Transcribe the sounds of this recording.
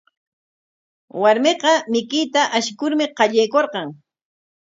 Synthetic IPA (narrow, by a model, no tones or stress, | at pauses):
waɾmeqɑmɪkɪt̪aʔaʃɪkʊɾmɪqɑʎajkoɾqɑŋ